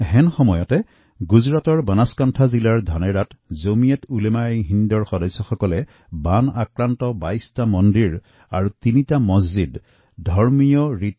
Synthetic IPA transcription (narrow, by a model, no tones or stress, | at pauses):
ɦɛnxɔmɔjɔtɛ | ɡuzɹatɔɹbanaskantʰazilaɹdʱanɛɹatzomijɛtulemajɦindɔɹxɔdɔjsːɔxɔkɔlɛ | banakɹantɔbajstamɔndiɹ | aɹutinitamɔzzid | dʱɔɹmijɔɹit